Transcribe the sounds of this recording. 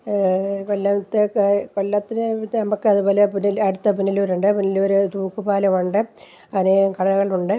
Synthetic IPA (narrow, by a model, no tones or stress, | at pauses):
kolːɐt̪ːɨkoɭːɐt̪ːinɨnɐmɐkːɨɐðubo̞ːlepunːilɐɽut̪ːɐpunːiloːɾuɳɖɨpunːiloɾut̪uːkːupaːlɐmuɳɖɨ | ɐðinekɐɽɐɐɣɐɭuɳɖɨ